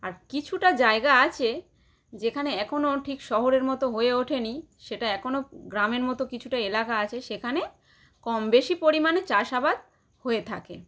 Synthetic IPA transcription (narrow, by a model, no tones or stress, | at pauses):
aɾkit͡ɕʰuʈad͡ʑaeɡaat͡ɕʰe | d͡ʑekʰaneɛkʰonoʈʰikʃɔɦoɾeɾmɔt̪oɦoeoʈʰeni | ʃeʈaɛkʰonoɡɾameɾmɔt̪okit͡ɕʰuʈaelakaat͡ɕʰeʃekʰane | kɔmbeʃipoɾimanet͡ɕaʃabad̪ | hoet̪ʰakḛ